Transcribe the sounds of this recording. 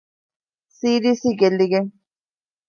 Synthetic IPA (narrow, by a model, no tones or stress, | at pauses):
siɾisikeliɡe